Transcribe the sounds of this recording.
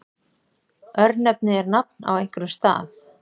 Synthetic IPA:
œɾnɛp̚nɪɛɾnap̚na̰wejŋ̥kɾʏst̪a̰ːθ

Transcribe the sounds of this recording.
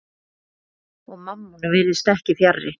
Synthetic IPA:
ɔɣmamːunʏvɪɾðɪst̪ɛhcɪfjarːɪ̰

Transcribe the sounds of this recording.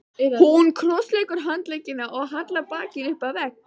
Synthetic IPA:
hunkʰlɔslejkʏɾ̥ɦant̪lecːɪnaʔɔɣɦat̪lapaːcɪnʏhpavɛk̚

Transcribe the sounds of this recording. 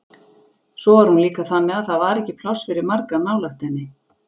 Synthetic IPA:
sɔvaɾ̥hunliːkaθanːɪɣaðθaðvaɾɛhcːɪpʰl̥ɔwsfɪɾɪɾmaɾkamawlaht̪ɛnːɪ

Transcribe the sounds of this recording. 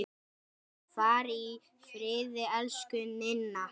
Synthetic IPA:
faːɾi | fɾɪːðɪɛlskʏnɪnːa

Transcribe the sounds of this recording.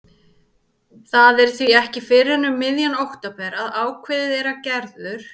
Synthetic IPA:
θaðɛɾ̥θviɛhcɪfɪɾɪnʏmːɪðjanowht̪apʰɛɾaðaːwkʰvɪːðɪðɛɾacɛɾðʏɾ̥

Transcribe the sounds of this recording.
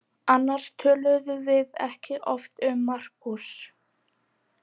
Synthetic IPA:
anːaɾ̥st̪ʰœːlʏðʏvɪðɛ̰hcɪʔɔft̪ʏmːar̥kus

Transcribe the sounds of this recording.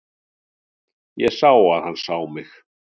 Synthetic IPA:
jɛsaːwaðhanːsawmɪx

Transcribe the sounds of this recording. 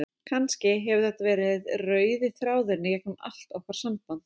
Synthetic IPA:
kʰanscɪɦɛvʏθɛt̪avɛːɾɪðrœːɥðɪθɾaːwðʏɾnɪjɛknʏma̰l̥t̪ɔwhkaɾ̥sampant̪

